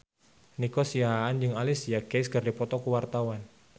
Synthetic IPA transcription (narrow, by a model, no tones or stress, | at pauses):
nikɔsiaɦaːnd͡ʒɨŋalɪsijakejskɨrdipɔt̪ɔkəwart̪awan